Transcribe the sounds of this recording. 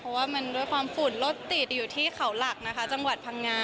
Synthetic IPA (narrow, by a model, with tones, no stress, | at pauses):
pʰɔ˧˩waː˥˩ma˧nduː˥˩jkʰwaː˧mfu˨˩˦nlo˦˥t̪ːi˨˩t̪̚juː˨˩t̪ʰiː˥˩kʰa˩˦wla˨˩k̚na˦˥kʰa˦˥t͡ɕa˧ŋwa˨˩t̪̚pʰa˧ŋːaː˧